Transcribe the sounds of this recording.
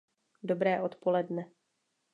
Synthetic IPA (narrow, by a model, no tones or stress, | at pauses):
do̞bɾɛːʔo̞t̪po̞lɛdnɛ